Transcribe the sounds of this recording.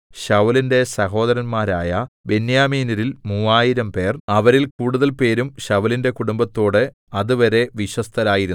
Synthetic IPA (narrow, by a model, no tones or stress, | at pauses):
ɕɐʋlinde̞sɐɦo̞ːðɐɾɐnmaːɾaːjɐbe̞njaːmiːnɐɾilmuʋaːjiɾɐmpe̞ːrɐʋɐɾilkuːɽuðɐlpe̞ːɾumɕɐʋɐlinde̞kuɽumbɐt̪ːo̞ːɽɨ | ɐðuʋɐɾe̞ʋiɕɐst̪ʰɐɾaːjiɾun